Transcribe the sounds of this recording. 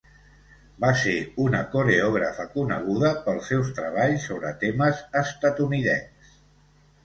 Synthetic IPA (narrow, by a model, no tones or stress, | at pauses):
baseunəkuɾeɔɣ̞ɾəfəkunə̰ɣ̞uðəpəlˠsɛwst̪ɾəβ̞aʎsoβɾət̪eməzəst̪ət̪uniðɛns